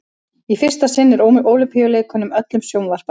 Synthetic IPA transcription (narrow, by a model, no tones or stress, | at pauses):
ifɪr̥st̪asɪnːɪɾoʔoːwlʏmpʰijʏleːkʏnʏmœt̪lʏmsjownvar̥pa